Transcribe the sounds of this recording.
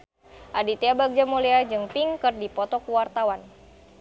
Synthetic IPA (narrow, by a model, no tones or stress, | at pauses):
ʔadit̪eabak̚d͡ʒamuliad͡ʒɨŋpiŋkɨrdipɔt̪ɔkuwart̪awan